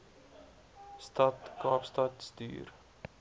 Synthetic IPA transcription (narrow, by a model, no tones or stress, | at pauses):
stɐtkɑːpstɐtsty̰ːr